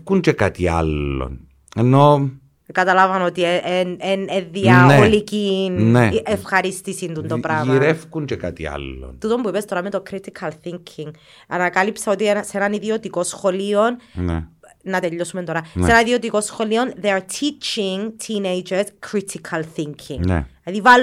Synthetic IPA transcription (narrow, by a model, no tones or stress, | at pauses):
kunt͡ʃekat̪ia̰lːo̰n | eno | kat̪ɐlavɐnot̪ieʔeneneðiɐeolikinneʔefxɐɾist̪isind̪unt̪opɾamiɾefkuɲt͡ʃekat̪ḭa̰lːo̰nt̪ut̪o̞mbuipest̪o̞ɾɐmet̪o̞kɾit̪ikʰɐlθiŋkʰiŋ | ɐnɐkɐlipseot̪iensenɐniðiot̪iko̞sxo̞lionn̰ | nɐt̪eʎːosumet̪o̞ɾɐsenɐiðiot̪ikosxo̞lionðeaɾt̪ʰit͡ʃiŋt̪ʰinejd͡ʒeɾskʰɾit̪ʰikʰɐlθiŋkʰḭŋn̰ɐðival